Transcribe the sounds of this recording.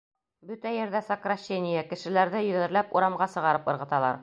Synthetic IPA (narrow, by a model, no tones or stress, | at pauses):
bɵt̪æjɘ̆ɾd̪æsəkraɕːenʲɪjækɘ̆ʃɘ̆læɾðɘjɵ̆ðæ̆ɾlæpuɾɑmʁɑsɤ̆ʁɑɾɤpɤ̆ɾʁɤ̆t̪ɑlˠɑ̰ɾ